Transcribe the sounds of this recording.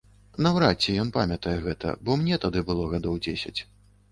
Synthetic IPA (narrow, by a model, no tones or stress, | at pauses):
nɐwɾat͡sʲːɛjɔnpamʲɐt̪ɐjɛɣɛt̪ɐ̰bɔmnʲɛt̪ad̪ɨbɨlˠɔɣad̪ɔwd͡zʲesʲɐ̰t͡sʲ